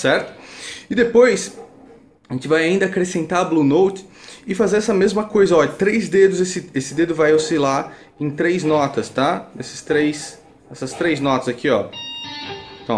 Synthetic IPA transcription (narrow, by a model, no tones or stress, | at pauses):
sɛɾt̪ʊ̥ɪd̪epojs | aʒẽt͡ʃɪvajaĩnd̪ɐːkɾesẽnt̪ablunowt͡ʃ̪ɪ̥ɪfazeɾɛsɐmezmɐkojzɐɔt̪ɾejzd̪ed̪ʊzesɪesɪd̪ed̪ʊvajawsila | ẽj̃t̪ɾejznɔt̪ɐst̪anesɪ̥st̪ɾejs | ɛsɐst̪ɾejznɔt̪ɐzakʰiɔ̰ | t̪ɐ̃